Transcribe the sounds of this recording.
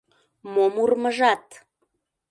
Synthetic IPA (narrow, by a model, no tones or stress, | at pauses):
momurməʒɑt̪